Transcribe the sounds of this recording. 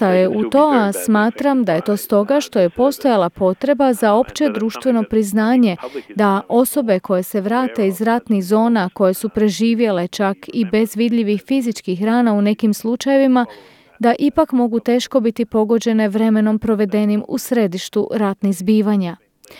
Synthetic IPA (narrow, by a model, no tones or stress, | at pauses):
ajeut̪o̞asmaːt̪ɾamd̪aje̞t̪o̞ːst̪o̞ɡaʃt̪o̞je̞po̞st̪o̞jalˠapo̞t̪ɾe̞bazao̞pt͡ʃe̞d̪ɾuːʃt̪ʋe̞no̞pɾiznaːɲe̞d̪aʔo̞so̞be̞ko̞je̞se̞ʋɾaːt̪e̞izɾat̪niɣzo̞ːnako̞je̞supɾe̞ʒiːʋje̞le̞t͡ʃakibe̞zʋid̪ʎʲiʋixfizit͡ʃkixɾaːnaune̞kimslˠut͡ʃaje̞ʋima | d̪aʔipakmo̞ɡut̪e̞ːʃko̞bit̪ipo̞ɡo̞d͡ʑe̞ne̞ʋɾe̞me̞no̞mpɾo̞ʋe̞d̪e̞nimṵsɾe̞d̪iʃt̪uɾat̪niɣzbiːʋaɲa